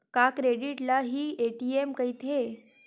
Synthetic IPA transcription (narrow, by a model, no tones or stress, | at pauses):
kakɾeɽiʈlaɦiːeʈiemkəjt̪ʰe